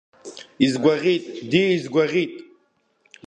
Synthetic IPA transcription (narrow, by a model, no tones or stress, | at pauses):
izɡʷaʁit̪ʼd̪iːizɡʷaʁit̪ʼ